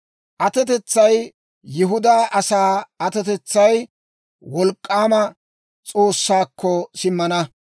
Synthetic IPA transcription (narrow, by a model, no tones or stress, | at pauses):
ʔɐt̪ɛt̪ɛt͡sːɐj | jɪɦʊd̪aːʔɐsaːɐt̪ɛt̪ɛt͡sːɐj | wɔlkʼːaːmɐ | t͡sʼo̞ːsːaːkʰːɔsɪmːɐnɐ